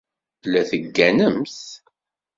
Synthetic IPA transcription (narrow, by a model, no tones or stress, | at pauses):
læθəɡːænəmθ